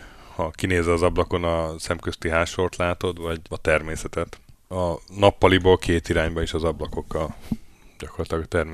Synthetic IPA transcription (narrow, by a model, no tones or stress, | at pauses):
hɒkineːzɛɒzɒblɒko̞nɒsɛmkøst̪iɦaːʃo̞rt̪laːt̪o̞d̪vɒɟɒt̪ɛrmeːsɛt̪ɛt̪ɒnɒpːɒliboːlkʰeːt̪iɾaːɲbɒeʃɒzɒblɒko̞kːɒlɟɒkorlɒt̪lɒɡɒt̪ɛrme